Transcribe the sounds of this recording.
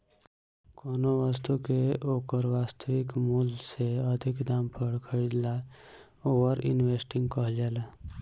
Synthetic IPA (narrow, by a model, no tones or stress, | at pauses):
koːnoʋəst̪ukeoːkəɾʋaːst̪ʰəʋikmulseəd̪ʱikd̪aːmpəɽkʰəɾid̪la | oːʋəɾɪ̰nʋeːsʈɪ̃ŋɡkɔɦd͡ʒɛːla